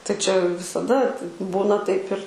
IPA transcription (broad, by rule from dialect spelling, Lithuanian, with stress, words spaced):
tɐɪ t͡ʃʲɛ ʋʲɪsɐˈdɐ tʲɪ ˈbuːnɐ tɐɪp ɪr